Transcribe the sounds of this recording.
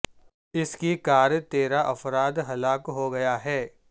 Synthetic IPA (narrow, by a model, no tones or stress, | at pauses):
ɪskikaːɾt̪eːɾaʔɐfɾaːd̪ɦɐlaːkɦoɡɐjaɦɛː